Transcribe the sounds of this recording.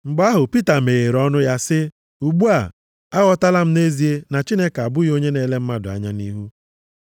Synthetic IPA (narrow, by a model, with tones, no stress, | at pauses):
ŋ͡m̩˨ɡ͡ba˦ɦʊ˨pi˦ta˨me˨ɣe˨ɾɔ˦nʊ˦ja˦sɪ˦ | u˨ɡ͡bu˦a˨ | a˦ɣɔ˦ta˦la˦m̩˦ne˦zi˨˦e˦na˨t͡ʃi˦ne˦ka˨bʊ˦ɣjo˦ɲe˦ne˦le˦m̩˦ma˦dʊ˨a̰˦ɲa˦ni˦ɦu˦